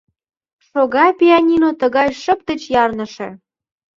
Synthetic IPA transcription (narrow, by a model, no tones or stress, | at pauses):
ʃoɣɑpʲiɑnʲinot̪əɣɑjʃə̆p̚t̪ə̆t͡ɕjɑrnə̆ʃḛ̆